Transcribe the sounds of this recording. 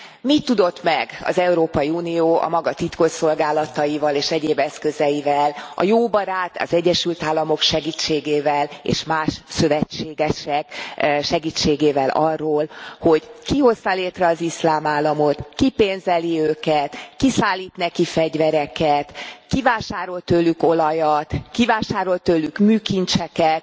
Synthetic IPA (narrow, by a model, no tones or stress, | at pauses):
mit̪ːud̪o̞t̪mɛɡɒ̰zɛuɾoːpɒjiuːnioːʔɒ̰mɒɡɒt̪it̪ko̞ʃso̞lɡaːlɒt̪ɒjivɒleːʃɛɟeːbɛskø̞zɛjivɛlɒ̰joːbɒɾaːt̪ɒ̰zɛɟːɛʃylt̪aːlːɒmo̞kʃɛɡiːt͡ʃːeːɡeːvɛlḛːʃmaːʃsø̞vɛt͡ʃːeːɡɛʃɛkʃɛɡiːt͡ʃːeːɡeːvɛlʔɒrːoːlho̞ɟkiho̞st̪ɒleːt̪rɛɒzislaːmaːlːɒmo̞t̪kipeːnzɛliøːkɛt̪kisaːlːiːt̪nɛkifɛɟvɛɾɛkɛt̪kivaːʃaːɾo̞lt̪øːlːyko̞lɒjɒt̪kivaːʃaːɾo̞lt̪øːlːykmyːkint͡ʃɛkɛt̪